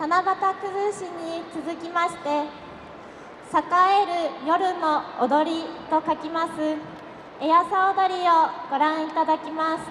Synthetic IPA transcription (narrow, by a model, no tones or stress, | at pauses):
t̪anabat̪akɯ̟hɯɕiɲ̟it͡sɨzɨkʲimaɕi̥t̪e̞ | sakae̞ɾɯ̟jo̞ɾɯ̟no̞̰ːd̪o̞ɾʲit̪o̞kakʲimasɨ | ejasaod̪o̞ɾʲio̞ɡ̥o̞ɾãɰ̃it̪ad̪akʲimasɨ̥